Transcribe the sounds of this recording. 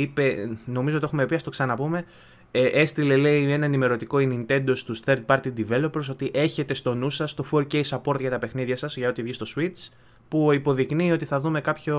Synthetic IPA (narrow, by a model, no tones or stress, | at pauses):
ipe̞no̞mizoiexume̞piɐst̪o̞ksɐnɐpume̞ | ʔe̞st̪ile̞le̞ienɐenime̞ɾo̞t̪iko̞inint̪e̞nd̪o̞st̪usθe̞ɾd̪̚pɐɾt̪id̪ive̞lopɾso̞t̪iʔe̞çe̞t̪e̞st̪o̞nusɐst̪o̞foɾcesɐpo̞ɾt̪ʝɐt̪ɐpe̞xniðʝɐsɐzʝɐo̞t̪ivʝist̪o̞swit͡s | puipo̞ðiknio̞t̪iθɐðume̞kɐpço̞